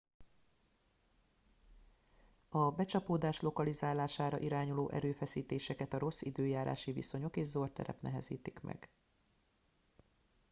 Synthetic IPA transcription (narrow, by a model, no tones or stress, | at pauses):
ɒbɛt͡ʃɒpoːd̪aːʃlo̞kɒlizaːlaːʃaːɾɒʔiɾaːɲuloːʔɛ̰ɾøːfɛsiːt̪eːʃɛkɛt̪ɒɾo̞sːid̪øːjaːɾʔa̰ːʃivḭso̞ɲo̞keːʒzo̞rt̪ɛ̰ɾɛ̰pnɛɦɛ̰zḭːt̪ikmɛ̰ɡ̥